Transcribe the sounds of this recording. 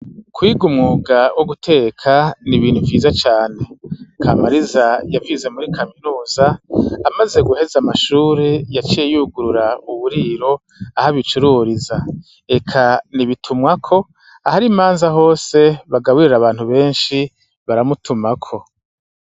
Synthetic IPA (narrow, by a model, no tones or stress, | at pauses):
kwiːɡumŋuːɡawʔoɡutʰe̞ːkʰaniβiːn̥huvjiːzat͡ʃaːne̞kʰaːmaɾizajavize̞muɾikʰaminuːzaːmaze̞ɡuhe̞zamaʃuːɾejat͡ʃijejuɡuɾuɾauβuɾiːɾo̞ | ahaβit͡ʃuɾuɾiza | e̞kʰaniβitʰumŋakʰo̞ | ahaɾimaːnzaɦo̞ːse̞βaɡawiɾiɾaβaːn̥huβe̞ːnʃi | βaɾamutʰumakʰo̞